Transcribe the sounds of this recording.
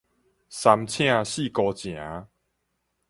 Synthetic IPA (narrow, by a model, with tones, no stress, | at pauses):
sa˧mt͡ɕʰj̃ã˥˧ɕi˥˨kɔ˧t͡ɕj̃ã˨˦